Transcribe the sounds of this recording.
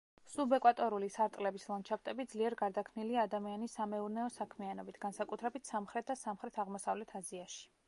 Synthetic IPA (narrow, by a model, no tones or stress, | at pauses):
subɛkʼwat̪ʼɔɾulisaɾt̪ʼlɛbislˠɔnt͡ʃʰapt̪ʼɛbid̪zliɛɾɡaɾd̪akʰmniliaːd̪amianisːamɛuɾnɛɔsakʰmianɔbit̪ʰɡ̥ansakʼut̪ʰɾɛbit̪ʰsamχɾɛt̪̚ʰd̪asamχɾɛt̪ʰaʁmɔsavlɛt̪ʰaziaʃi̥